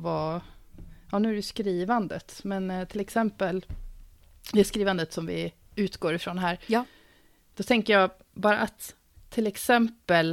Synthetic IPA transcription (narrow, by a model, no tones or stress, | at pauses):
va | jɑnʉ̟æɾjʉskɾiːvand̪ə̰t̪mɛnt̪ʰɪlɛksɛmpəl | d̪ɛskɾiːvand̪ət̪sɔmvɪ̰ | ʉ̟ːt̪ɡoːɾɪfɾoːnɦæːɾ | d̪̥ɔt̪ʰɛŋkəjɑː | bɑːɾa̰ʔat̪ʰː | ɪlɛksɛmpəl